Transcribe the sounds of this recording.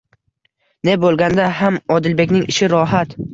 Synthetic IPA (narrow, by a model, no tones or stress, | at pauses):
ne̞bolˠɡʲand̪aɦamɒd̪ɪlbe̞kʲnɪŋɪʃɪɾɒɦat̪